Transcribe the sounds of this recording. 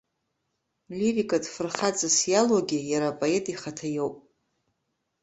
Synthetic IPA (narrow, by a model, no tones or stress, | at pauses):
lʲiɾikʼadfɨrχat͡sʼɨsjalwaɡʲɪjaɾapʼoe̞tʼiχatʰajowpʼ